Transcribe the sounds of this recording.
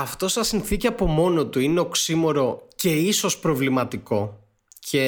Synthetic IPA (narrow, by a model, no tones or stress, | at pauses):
ɐft̪o̞sɐsinθiciɐpo̞mo̞no̞t̪uine̞oksimo̞ɾo̞ce̞iso̞spɾo̞vlimɐt̪iko̞ | cʰe